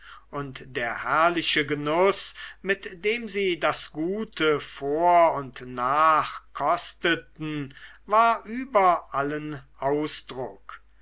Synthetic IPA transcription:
ʔʊntd̥eːɐhæɐlɪʃəɡənʊsmɪtd̥eːmziːdasɡ̥uːtʰəfoːɐʊntnaːχkʰɔstətn̩vaːɐʔyːbɐʔalənʔaʊsd̥ʁʊk

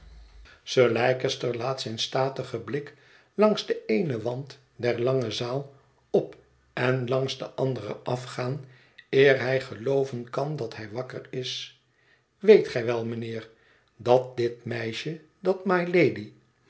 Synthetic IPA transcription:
səːlɛjkəstəɹlaːtsɛjnstaːtəχəblɪk | lɑŋzdəejnəʋɑnt | dɛɹlɑŋəzaːlˠ | ɔp | ɛnlɑŋzdəʔɑndərə̰ʔɑfχaːn | ɪːɹɦɛjχəlowvənkɑndɑtɦɛjʋɑkərɪs | ʋejtχɛjʋɛlˠmənɪːɹ | dɑt̚dɪtmɛjʃə | dɑtmɑjlejdi

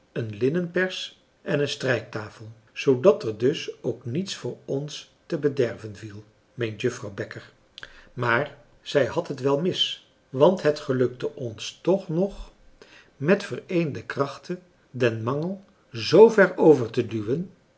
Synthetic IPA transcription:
ənlɪnənpɛɹs | ʔɛnənstrɛjk̚taːfəlˠ | z̥owdɑtəɹdɵsowknitsfʊːɹɔns | təbədɛɹvənvilˠ | mejntjɵfrɑwbɛkəɹ | maːɹ | z̥ɛjhɑtɦətʋɛlˠmɪs | ʋɑntɦətχəlɵk̚təʔɔnstɔχnɔχ | mɛtfərejndəkrɑχtə | dɛnmɑŋəlˠ | zowvɛɹowvəɹtədyʋən

